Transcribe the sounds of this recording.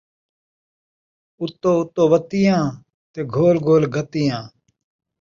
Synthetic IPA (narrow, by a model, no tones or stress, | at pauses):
ʊt̪ːoːʊt̪ːoːʋət̪ɪjãː | t̪eːɡʱoːlɡʱoːlɡʱət̪ɪjãː